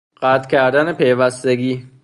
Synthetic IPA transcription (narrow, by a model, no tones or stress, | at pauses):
ɢ̥æt̪ʰcʲʰæɾd̪ænepʰe̞jvæst̪e̞ɡiː